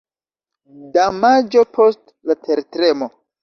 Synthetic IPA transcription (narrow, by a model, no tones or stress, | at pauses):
damad͡ʒo̞pʰost | latʰeɾtɾemo